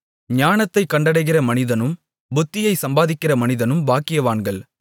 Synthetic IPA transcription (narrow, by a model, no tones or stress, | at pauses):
ɲaːnɐt̪ːɐɪkːɐɳɖɐɽɐɪɣɪrɐmɐnɪðɐnɯm | bʊt̪ːɪjɐɪsɐmbaːðɪkːɪrɐmɐnɪðɐnɯmbaːkːɪjɐʋaːnɡɐɭ